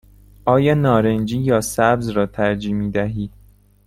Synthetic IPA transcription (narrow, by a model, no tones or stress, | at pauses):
ʔɒːjɒːnɒːɾend͡ʒiːjɒːsæbzrɒːt̪ʰæɾd͡ʒiːmiːd̪æɦiː